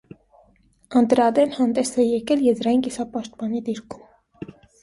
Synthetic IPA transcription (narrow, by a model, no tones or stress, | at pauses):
ɑnt̪əɾɑd̪ɛnhɑnd̪ɛsɛjɛkɛljɛzɾɑjinkisɑpɑʃt̪pɑnid̪iɾkʰu̥m